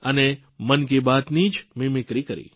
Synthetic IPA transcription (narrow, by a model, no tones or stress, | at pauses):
əne | mənkebat̪nid͡ʒmimɪkɾikəɾḭ